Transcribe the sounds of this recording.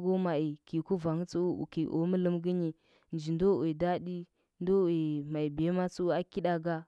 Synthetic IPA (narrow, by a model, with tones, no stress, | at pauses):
ɡo˦ma˨i˨ki˨ku˦va˨ŋ˦t͡su˦ṵ˦˨ki˨ʔo̰˨˦mə˦lə˦mɡə˦ɲi˨ | n˨d͡ʒi˨n˦do˦˨e˨da˦ɗi˦ | n˦do˦we˨ma˨i˨bi˨e˦ma˦t͡su˦u˦a˦ki˦ɗa˦ɡa˦